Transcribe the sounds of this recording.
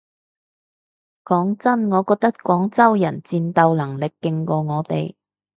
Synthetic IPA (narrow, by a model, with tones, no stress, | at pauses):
kɔː˨˥ŋt͡sɐ˥nŋɔː˨˧kɔː˧k̚t̪ɐ˥t̚kɔː˨˥ŋt͡sɐ˥wjɐ˨˩nt͡siː˧nt̪ɐ˨˧wlɐ˨˩ŋlɪ˨kːɪ˧ŋkɔː˧ŋɔː˨˧t̪e˨j